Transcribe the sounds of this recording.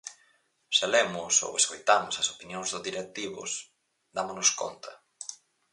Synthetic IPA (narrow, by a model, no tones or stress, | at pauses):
ʃalɛmʊso̰weskojt̪amʊsɐsopinjoŋzðʊzðiɾek̚t̪iβʊ̰s | d̪amonʊsko̰nt̪ʰɐ